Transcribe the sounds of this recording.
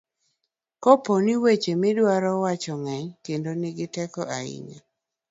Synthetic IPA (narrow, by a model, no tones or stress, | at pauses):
koponiwet͡ʃemɪdwaɾɔwat͡ʃɔŋɛɲkendonɪɡɪtɛkɔʔaḭɲa